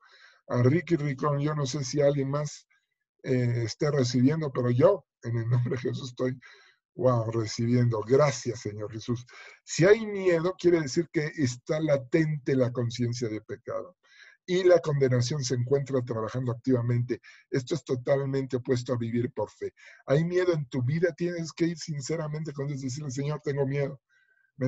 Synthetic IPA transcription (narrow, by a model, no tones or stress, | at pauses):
arikiriko̞nʝo̞no̞se̞sialɣje̞nmas | eːst̪ere̞s̬iβje̞nd̪o̞pe̞ɾo̞ʝo̞ | e̞nelnombɾeðxes̬usest̪oj | ɡwawresiβje̞nd̪o̞ɣɾasjasːe̞ɲo̞ɾxe̞susːiajmje̞ðo̞kjeɾe̞ðe̞siɾke̞ʔːst̪alat̪e̞nt̪e̞lako̞nsje̞ns̬jaðe̞pe̞ka̰ðo̞ | ilako̞nd̪e̞nas̬jo̞nseːŋkwe̞nt̪ɾat̪̬ɾaβaxand̪oak̚t̪iβamẽ̞nt̪e̞ | e̞st̪o̞est̪o̞t̪almẽnt̪eopwe̞s̬t̪oaβiβiɾpo̞ɾfe̞ajmje̞ðo̞e̞nt̪uβiðat̪je̞ne̞ske̞iɾsinse̞ɾament̪e̞kond̪jozðes̬iɾles̬eɲo̞ɾt̪e̞ŋɡo̞mje̞ðo̞ | me